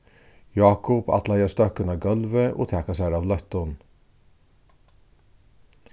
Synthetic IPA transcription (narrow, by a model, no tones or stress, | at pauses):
jɑːkʊpɑ̰t̪ʰlɑɪəst̪œkənɑːɡɑlʋəʔo̰ːt̪ʰæːkɑsæɾɑːʋlœt̪ɔn